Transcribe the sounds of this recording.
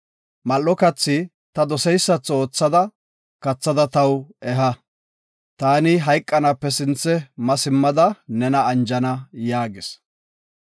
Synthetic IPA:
mɐlːɔkɐt͡sːɪ | t̪ɐd̪ɔsɛjsːɐt͡sːo̞ːt͡sːɐd̪ɐ | kɐt͡sːɐd̪ɐt̪ɐwɛɦɐ | t̪aːnɪɦɐjkʼːɐnapːɛsɪnt͡sːɛmɐsɪmːɐd̪ɐnɛnɐːnd͡ʒɐnɐjaːɡɪs

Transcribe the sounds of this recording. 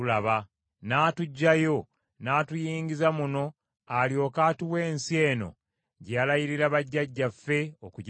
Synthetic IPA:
ulaβa | naːtuɟːajo̞ | naːtujiːɲɟizamuno̞ | aljo̞ːkaːtiwe̞ːnsie̞ːno̞̰ | ɟalajiɾiɾaβaɟːaɟːafːe̞okuɟ

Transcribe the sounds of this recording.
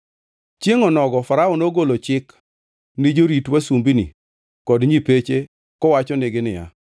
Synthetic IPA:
t͡ʃeŋɔnɔɡɔfaɾaɔnoɡolot͡ʃɪk | nɪd͡ʒoɾitwasumbini | kɔdɲipet͡ʃe | kɔwat͡ʃɔnɪɡɪnɪja̰

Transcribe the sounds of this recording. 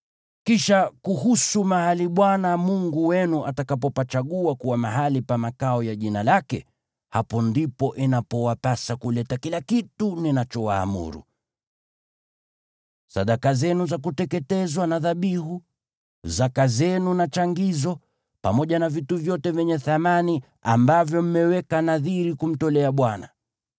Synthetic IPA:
kiʃakuhusumahaliɓwanamuŋɡuwɛnuʔatakapɔpat͡ʃaɠuakuwamaɦalipamakaɔjaʄinalakɛ | hapɔndipɔʔinapɔwapasakulɛtakilakituninat͡ʃɔwa̰ːmṵɾṵ | saɗakazɛnuzak̬utɛkɛtɛzwanaðaɓiɦu | zakazɛnunat͡ʃaŋɡizɔ | pamɔʄanavituvjɔtɛvjɛɲɛθamani | a̰mbavjɔm̩mɛwɛkanaðiɾikum̩tɔlɛaɓwana

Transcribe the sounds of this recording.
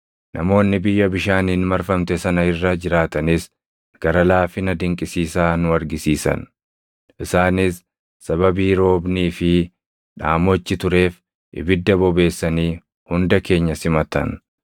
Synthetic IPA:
nʔɐ̰mo̞ːnːɪbɪjːɐbɪʃaːniːnmɐɾfɐmt̪ɛsɐnɐɪrːɐd͡ʒɪɾaːt̪ɐnɪs | ɡ̥ɐɾɐlaːfɪnɐd̪ɪŋkʼɪsiːsaːnʊɐɾɡɪsiːsɐ̰n | ʔɪsaːnɪsː | ɐβɐbiːɾo̞ːbniːfɪ | ᶑaːmɔt͡ʃːɪt̪ʊɾe̞ːf | ʔɪ̰bɪd̪ːɐbɔbe̞ːsːɐniː | hʊnd̪ɐke̞ːɲːɐsɪmɐt̪ɐ̰n

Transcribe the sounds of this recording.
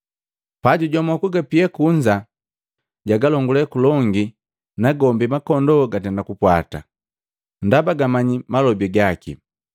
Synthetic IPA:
paɟuɟɔmɔkuɡapiɛkuɲd͡ʒa | ɟaɡalɔŋɡulɛkulɔŋɡi | naɡɔmbimakɔndɔɡatɛndakupwata̰ | ndabaɡamaɲimalɔbiɡakḭ

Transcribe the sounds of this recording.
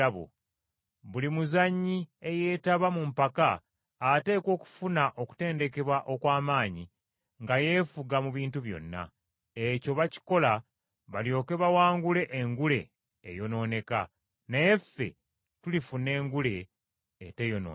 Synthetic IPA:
βo̰ | βulimuzaɲːie̞je̞ːtaβamumpakaː | te̞ːko̞ːku̥funaʔo̞ku̥te̞ːnde̞ke̞βwaʔo̞kwaːmaːɲi | ŋɡaje̞ːfuɡamuβiːntuβjo̞̰nːa̰ | eco̞βaci̥ko̞la | βaljo̞ːke̞βawaːŋɡule̞ʔeŋɡule̞̰ː | jo̞no̞ːne̞ka̰ | nejefːe̞̰ | tulifune̞ːŋɡule̞ː | te̞jo̞no̰ː

